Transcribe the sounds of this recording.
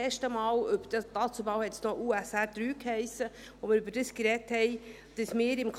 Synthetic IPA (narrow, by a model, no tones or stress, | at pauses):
ɛːʃtəmɑːlʏbəd̥dɑːt͡subɑʊhɛt̪snoʔuːæsæd̥ɾyːkhɛɪsə | ʋomɪːɾʏbəɾd̥əskɾɛthɛɪ | d̥əsmɪːɾɪmkʰ